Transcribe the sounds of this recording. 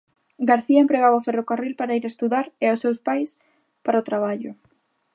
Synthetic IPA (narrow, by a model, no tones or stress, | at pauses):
ɡaɾθiɐempɾeɣawaferokarilpaɾaiɾaest̪uðaɾeasewspajs | paɾaot̪ɾaβ̞aʎʊ